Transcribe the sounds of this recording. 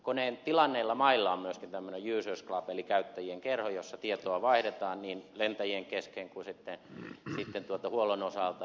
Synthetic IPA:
koneːnt̪ilɑnːeilːɑmɑilːɑommyøskint̪æmːønejjyːsørsklɑpelikæyt̪ːæjieŋkerhojosːɑt̪iet̪oɑʋɑihdet̪ɑːnniːnlent̪æjieŋkeskeŋkusit̪ːesit̪ːent̪uot̪ɑhuolonosɑˑlt̪ɑ

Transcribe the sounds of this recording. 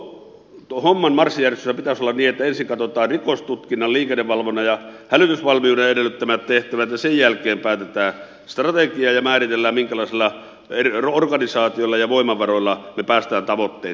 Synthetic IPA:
t̪homːɑnmɑrsːijærest̪ysːæpit̪æsolːɑnniːet̪ːæensiŋkɑt̪ot̪ɑːrrikost̪ut̪kinːɑlliːkenːeʋʋɑlʋonɑjɑhælyt̪ysʋɑlmiuːneedelːˑyt̪ːæmæt̪t̪eht̪æʋæt̪jɑsejjælkeːmpæˑːt̪et̪æː | st̪rɑt̪ekiɑːjɑmæːrit̪elːæːmmiŋkælɑˑisilːɑ | errorɡɑnisɑːt̪iolːɑjɑʋoˑimːˑɑʋɑroilːɑnepæːst̪æːnt̪ɑʋot̪ːḛː

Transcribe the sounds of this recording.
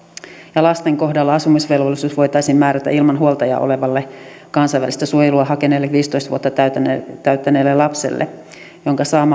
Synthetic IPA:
jɑlɑst̪eŋko̞hdɑlːɑɑsumisʋelʋolːˑisuːsʋo̞jt̪ɑjsiːmmæːɾæt̪æ̰ʔilmɑnɦuolt̪ɑjɑ̰ʔo̰le̞ʋɑlːe | kɑnsɑjʋæ̰list̪æsuojeluɑɦɑkenelːeʋiːst̪ojst̪ʋuot̪ːɑt̪æyt̪ːæneːlːelɑpsḛlːḛ | joŋkɑsɑːm

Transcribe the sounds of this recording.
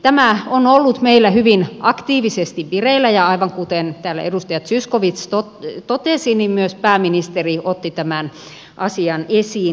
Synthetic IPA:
t̪æmæonolːut̪meilːæhyʋinʔɑkt̪iːʋisest̪iʋʋireilːæjɑɑiʋɑŋkut̪ent̪æːlːæ̰ḛdust̪ɑjɑt̪syskoʋit̪st̪ott̪ot̪esinimmyøspæːminist̪eriʔot̪ːit̪æmæn | ʔɑsiɑnesiː

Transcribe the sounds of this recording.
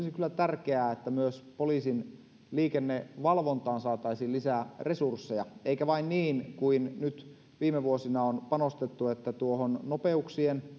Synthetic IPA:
isikylːˑæt̪ærkeæːet̪ːæmyøspoliːsin | liːkenːeʋɑlʋont̪ɑːnsɑːt̪ɑisilisæːresursːejɑeikæʋɑinniːnkuinnyt̪ | ʋiːmeʋuosinɑonpɑnost̪et̪ːuet̪ːæt̪uohonnopeuksien

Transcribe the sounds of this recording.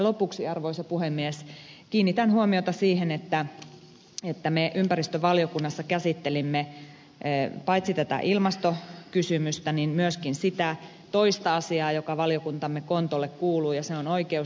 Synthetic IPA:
lopuksiɑrʋoisepuhemːieskiːnːit̪ænhuomiot̪ɑsiːhenet̪ːæ | et̪ːæmeʔympærist̪øʋɑljokunːɑsːɑkæsit̪ːelimːe | pɑit̪sit̪æt̪æ̰ʔilmɑst̪okysymyst̪æninmyøskinsit̪æ | t̪oist̪ɑɑsiɑːjokɑʋɑljokunt̪ɑmːekont̪olːekkuːluːjɑseonoikeu

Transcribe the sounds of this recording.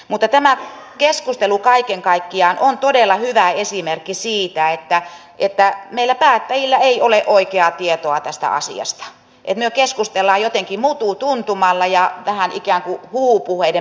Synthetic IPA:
mut̪ːɑt̪æmækeskust̪elukɑikeŋkɑikːiɑːnʔont̪odelːɑhyʋæesimerkːisiːt̪æet̪ːæ | ʔet̪ːæmeilːˑæpæːt̪ːæjilːæeioleʔoikeɑt̪iet̪oɑt̪æst̪æ̰ɑ̰sḭɑ̰st̪ɑ̥ | ʔḛt̪myøkeskust̪elːɑːjot̪eŋkimut̪ut̪unt̪umɑlːɑjɑʋæhænikæːŋkuhuːpuheide

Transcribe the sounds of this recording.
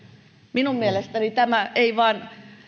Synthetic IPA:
minummielest̪ænit̪æmæeiʋɑːn

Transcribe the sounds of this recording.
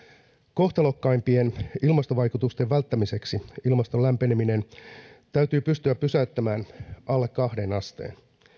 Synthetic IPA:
ko̞ht̪ɑlo̞kːɑjmpie̞nilmɑst̪oʋɑjkut̪ust̪e̞ʋʋælt̪ːæmise̞ksiilmɑst̪o̞lːæmpe̞nemine̞nt̪æyt̪yːpyst̪yæppːysæyt̪ːæmæːnʔɑlːekkɑhde̞nɑst̪e̞̰ːn

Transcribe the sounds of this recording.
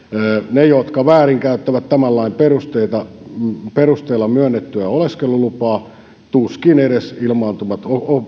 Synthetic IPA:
nejot̪kɑʋæːriŋkæyt̪ːæʋæt̪t̪æmælːɑimperust̪eit̪ɑperust̪eilːɑmyønːet̪ːyæoleskelːˑulupɑː | t̪uskineɾesilmɑːnt̪umɑt̪oo

